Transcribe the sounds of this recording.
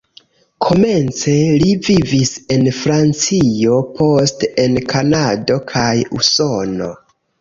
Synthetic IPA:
kʰo̞me̞nt͡se̞livivise̞nfɾant͡sijo̞pʰo̞stenkʰanado̞kʰajṵso̞no̞̰

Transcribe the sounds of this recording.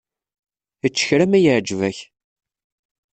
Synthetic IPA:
ət͡ʃːə̥çɾæmæjəʕd͡ʒvæç

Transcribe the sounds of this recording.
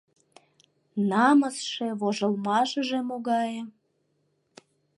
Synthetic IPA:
nɑməsʃeβoʒəlmɑʃə̆ʒemoɣɑjĕ

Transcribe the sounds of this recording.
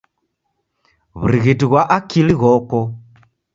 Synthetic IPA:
βṵɾiɣitiɣwaʔakiliɣɔkɔ

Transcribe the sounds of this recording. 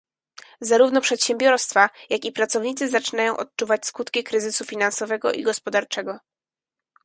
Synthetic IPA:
zaɾuvnɔpʂɛt̪ɕɛmbʲjɔɾst̪fajakʲipɾat̪sɔvɲit̪sɘzat͡ʂɘnajɔ̃w̃ʔɔt̪̚t͡ʂuvat͡ɕskut̪kʲikɾɘzɘsufʲinansɔvɛɡɔʔḭɡɔspɔd̪aɾt͡ʂɛɡɔ

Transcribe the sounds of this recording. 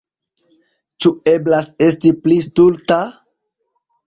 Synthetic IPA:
t͡ʃue̞blase̞stiplistulta

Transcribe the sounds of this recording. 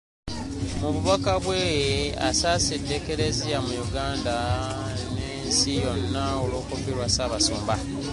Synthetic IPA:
muβuβakaβwea̰saːsidːe̞ke̞ɾe̞ziamujuɡaːnda | neːnsijo̞nːaolo̞ːkufiɾwasaːβaso̰ːmba

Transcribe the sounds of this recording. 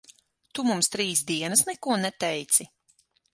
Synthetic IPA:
t̪umumst̪ɾiːsd̪iɛnɐsnɛkuɔnɛt̪ɛjt̪si

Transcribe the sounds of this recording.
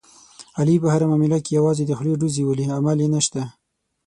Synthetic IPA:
alipəhaɾamɑmɪlakejawɑzed̪əxleɖuziwəliamaljenəʃt̪a

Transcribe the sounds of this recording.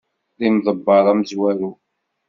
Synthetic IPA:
ðimðˤəbːɑɾˤɑmzwæɾu

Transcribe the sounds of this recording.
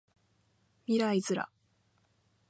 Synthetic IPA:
miɾaizɨɾa̰

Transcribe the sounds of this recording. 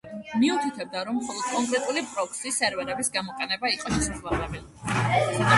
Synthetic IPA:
miut̪ʰit̪ʰɛb̚d̪aɾɔmːχɔlˠɔd̪̥̚kʼɔŋkʼɾɛt̪ʼulipʼɾɔksisɛɾvɛɾɛbisɡamɔqʼɛnɛbaiqʼɔʃɛ̥sʰazlˠaabɛl

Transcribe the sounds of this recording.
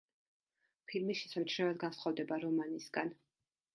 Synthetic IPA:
pʰilmiʃɛ̥samt͡ʃʰɾɛvɛd̪̚ɡansχɔvd̪ɛbaɾɔmanisɡan

